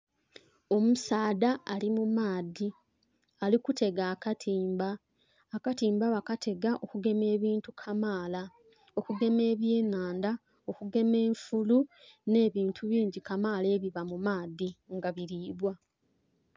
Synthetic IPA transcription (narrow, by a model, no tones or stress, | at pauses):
o̞musaːdaːlimumaːdi | alikutʰe̞ɡaːkatʰiːmbaː | katiːmbaβakatʰe̞ɡaʔo̞kuɡe̞me̞ːβiːntukʰamaːla | okuɡe̞me̞ːβje̞ːnaːnda | o̞kuɡe̞me̞ːɱfulu | ne̞ːβiːntʰuβiːɲɟikamaːle̞ːβiβamumaːdiŋɡaβiɾiːβwa